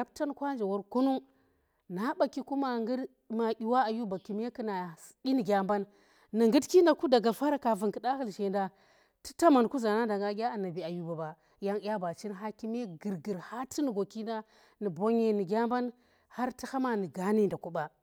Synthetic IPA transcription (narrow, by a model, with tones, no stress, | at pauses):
a˦bta˦n˦kʷa˦nd͡ʒe˨wo˦ɾku˦nu˦ | na˨˦ɓa˨ki˨ku˦ma˦ŋɡi˦d | ma˨ɡʲi˨wa˦a˨ju˦ba˨ki˨me˦kɨ˦na˨si˦ni˨ɡʲa˦mba˦nː | i˨ŋɡɨ˦dki˦nda˨ku˦da˨ɡa˨fa˦ɾa˨ka˨vu˨ŋki˨ɗa˦hɨ˦lʃe˨nda˦ | ti̥˦ta˦ma˨n˨ku˦za˨na˦da˨ŋɡa˦ɡʲa˦a˨na˨bi˨a˨ju˦ba˨ba˨ | ja˦ŋ˦ja˦ba˨t͡ʃi˦n˦ɦa˦ki˦me˦ɡɨ˨ɾɡə˨ɾha˦ti˦ni˨ɡo˨ki˦nda˦ | ni˨bo˦ɲe˨ni˨ɡʲa˦mba˦n | ha˦ɾti˦ha˦ma˦ni˨ɡa˨ni˦nda˨ku˦ba˨